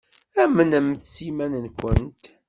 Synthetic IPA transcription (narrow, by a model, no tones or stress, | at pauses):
æmənəmθsimænənkʷənt̪